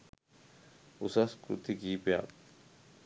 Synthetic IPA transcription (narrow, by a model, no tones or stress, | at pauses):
ʊsaskɾṵt̪ikipja̰ːt̪